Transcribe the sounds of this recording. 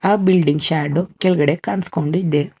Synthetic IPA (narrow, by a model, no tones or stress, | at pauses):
aːbilɖiŋɡʃaːɖukelɡɐɽekaːnskoɳɖuid̪e